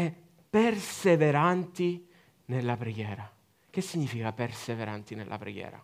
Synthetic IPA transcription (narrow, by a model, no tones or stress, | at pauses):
ɛ | pːerseveɾant̪i | nelːapɾeɡjɛːɾa | k̟esːiɲːiːfikaperseveɾant̪inelːʔa̰pɾḛɡjɛ̰ːɾa̰